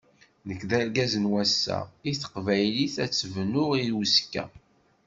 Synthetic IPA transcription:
nəkːðæɾɡæzənwæsːæ̰iθə̥qvæjliθæt͡sːəvnʊʁiskːæ̰

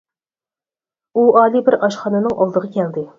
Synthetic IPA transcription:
uʔɑlˠibɪɾɑʃχɑnɨnɨŋʔɑlˠd̪əʁɑkʲʰɛld̪ɪ

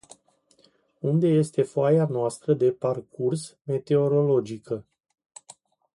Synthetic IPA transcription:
und̪e̞je̞st̪e̞foajanoast̪ɾəd̪e̞parkʰursme̞t̪e̞o̞ɾo̞lo̞d͡ʒikə

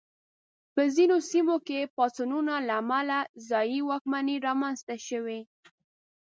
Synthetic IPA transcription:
pəzinosimokepɑsununalaːmalazɑjiwɑk̚maniɾɑmanzt̪aʃəwe

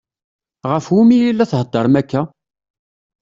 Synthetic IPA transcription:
ʁəfwumijilːæθhəd̪ˤːəɾˤmækːæ

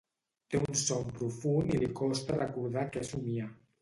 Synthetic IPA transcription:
t̪eunsɔmpɾufunilikɔst̪arəkuɾð̞akezumia

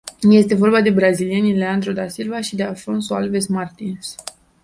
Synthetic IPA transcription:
je̞st̪e̞vo̞rbad̪e̞bɾazilienile̞and̪ɾo̞d̪asilvaʃid̪ealfo̞nsoa̰lve̞smart̪ins

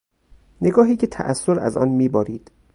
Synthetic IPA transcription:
ne̞ɡɒːɦiːcʰe̞t̪ʰæ̰ʔæsːoɾæ̰zɒ̰ːnmiːbɒːɾiːd̪̥

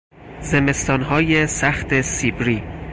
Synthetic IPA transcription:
zeme̞st̪ɒːnɦɒːjesæxt̪ʰesiːbɾiː

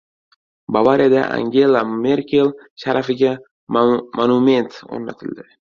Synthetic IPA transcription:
bavaɾijad̪a̰ʔa̰ŋɡʲe̞lˠame̞ɾkʲelˠʃaɾʔafɪɡʲa | monume̞nt̪o̰ɾnat̪ʰɪld̪ɪ

